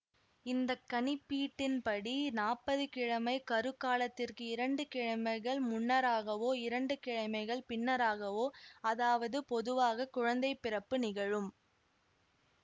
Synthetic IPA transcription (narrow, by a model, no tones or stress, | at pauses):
ɪnd̪ɐkːɐnɪpːiːʈːɪnpɐɽinaːpːɐðɯkɪɻɐmɐɪkɐɾɯkːaːlɐt̪ːɪrkɯɪɾɐɳɖɯkɪɻɐmɐɪɣɐɭmʊɳːɐɾaːɣɐʋoːɪɾɐɳɖɯkɪɻɐɪmɐɪɣɐɭpɪnːɐɾaːɣɐʋoːɐðaːʋɐðɯpɔðɯʋaːɣɐkːʊɻɐnd̪ɐɪpːɪɾɐpːɯnɪɣɐɻɯm